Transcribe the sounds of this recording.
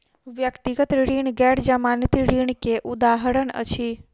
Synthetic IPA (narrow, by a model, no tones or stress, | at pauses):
ʋjəkt̪iɡət̪ɾiɳɡɛɽd͡ʒamanit̪iɾiɳkeʔud̪aɦəɾəɳə̰t͡ʃʰi